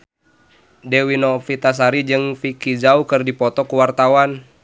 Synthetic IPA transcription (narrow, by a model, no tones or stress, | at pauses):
dɛwinɔfit̪as̬aɾid͡ʒɨŋfikid͡ʒaukɨrdipɔt̪ɔkuwart̪awan